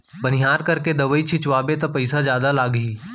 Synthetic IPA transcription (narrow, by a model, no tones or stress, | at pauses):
bɐnɪjaːɾkɐɾked̪ɐʋəit͡ʃʰɪt͡ʃʋaːbet̪ɐpɐɪsazjaːd̪alaːɡɦiː